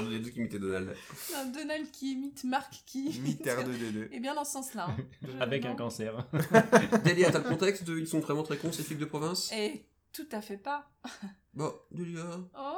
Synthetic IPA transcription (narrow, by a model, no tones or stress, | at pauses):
d̪əd̪ed̪økʲimit̪ɛd̪ɔnald̪ɛ̃d̪ɔnald̪̚kʲʰiemit̪maʁkkʰʲimit̪ɛʁnəd̪eøebjɛ̃d̪ɑ̃sɑ̃slaavɛkɛ̃kɑ̃sɛʁ | d̪eliat̪alkɔ̃t̪ɛkst̪dəilsɔ̃vʁɛmɑ̃t̪χɛkɔ̃sefild̪əpχɔvɛ̃se | t̪ut̪afɛpa | bad̪əljao